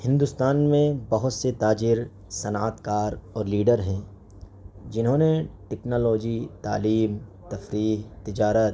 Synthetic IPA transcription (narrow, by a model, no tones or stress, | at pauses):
hɪ̃nd̪ust̪aːnmẽbɐɦʊt̪set̪aːd͡ʒɪɾ | sɐnaːt̪kaːɾɔːɾliːɖəɾɦɛ̃ː | d͡ʒɪnɦõneʈɛknoːlɔːd͡ʒit̪a̰ːliːmt̪ɐfɾiːɦt̪ɪd͡ʒaːɾət̪̚